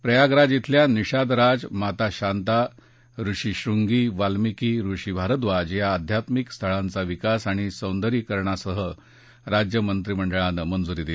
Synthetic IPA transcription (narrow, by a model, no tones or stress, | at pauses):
pɾəjaɡɾad͡zit̪ʰljaniɕad̪ɾad͡zmat̪aɕant̪a | ɾuʂiɕɾuŋɡiːʋalmikiːɾuɕibʱaɾəd̪ʋad͡ʑjaːd̪ʱjat̪mikst̪ʰəɭãnt͡saʋikasaɽ̃isə̃wnd̪əɾiːkəɾɳasəɦə | ɾad͡ʑjəmənt̪ɾim̤əɳɖəɭãnmənd͡zuɾiːd̪e